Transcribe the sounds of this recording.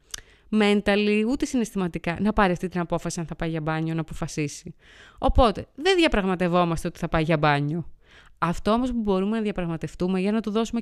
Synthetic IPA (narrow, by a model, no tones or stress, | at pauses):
me̞nt̪ɐliut̪e̞sine̞st̪imɐt̪ikɐnɐpɐɾiɐft̪it̪inɐpo̞fɐsiɐnθɐpɐjʝɐbɐɲo̞nɐːpo̞fɐsisi | o̞po̞t̪e̞ðenðʝɐpɾɐɣmɐt̪e̞vo̞mɐst̪e̞o̞t̪i̥θɐpɐiʝɐbɐɲo̞ | ɐft̪o̞omo̞spubo̞ɾume̞nɐðʝɐpɾɐɣmɐt̪e̞ft̪ume̞ʝɐnɐt̪oðo̞sume